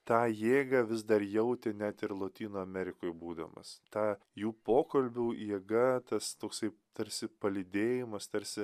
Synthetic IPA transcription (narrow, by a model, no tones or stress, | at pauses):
t̪ɑːjeːɡɐʋʲɪzd̪ɐɾjɛʊt̪ʲɪnʲæt̪ɪɾlˠoːt̪ʲiːnoːɐmʲɛɾʲɪkoːjbuːd̪ɐ̰mɐ̰st̪ɑː | juːpoːkɐlʲbʲuːjiɛɡɐt̪ɐst̪oːksɐɪt̪ɐɾʲsʲɪpɐlʲɪd̪ʲeːjɪmɐst̪ɐɾʲsʲɪ